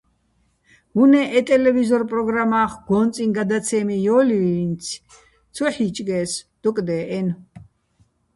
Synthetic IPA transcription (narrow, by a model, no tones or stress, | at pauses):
hunɛʔɛt̪ʼɛlɛvizɔɾpʼɾɔɡɾamaχɡɔnt͡sʼinɡad̪at͡sʰɛmijɔːlint͡sʰ | t͡sʰɔħit͡ʃʼɡɛsd̪̥ɔkʼd̪ɛːʔɛn